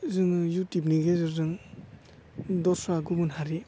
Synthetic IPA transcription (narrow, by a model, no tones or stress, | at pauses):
zɯŋjutip̬̚niɡezɯzɯŋ | dɔɾsaɡubɯnɦaɾi